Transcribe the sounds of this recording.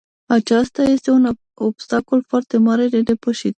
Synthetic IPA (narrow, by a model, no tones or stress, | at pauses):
at͡ʃɑst̪ajest̪eun | obst̪akolfɑɾt̪emɑɾed̪ed̪epəʃit̪